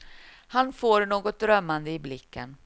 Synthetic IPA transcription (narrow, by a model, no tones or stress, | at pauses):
hanfoːɾnoːɡɔt̪̚d̪ɾœmːand̪əɪblɪkʰːə̰n